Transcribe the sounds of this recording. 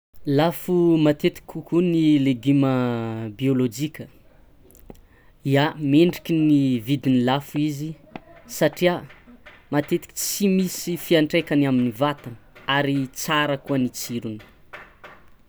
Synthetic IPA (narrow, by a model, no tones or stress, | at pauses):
lafumat̪et̪i̥kʲʰukunileɡiməbiolod͡ʒikʲə | iameɳɖ͡ʐi̥kʲinivid̪inilafuizi | saʈ͡ʂia | mat̪et̪i̥kʲi̥t͡simisifiaɳʈ͡ʂekanaminivat̪anaɾit͡saɾəkuənit͡siɾuni̥